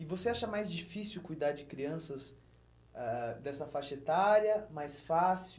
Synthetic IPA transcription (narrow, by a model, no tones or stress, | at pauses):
ɪvoseaʃɐmajzd͡ʒifisiʊwkujd̪aɾd͡ʒɪkɾiɐ̃sɐs | ɛd̪ɛsɐfaʃet̪aɾjɐmajsfasi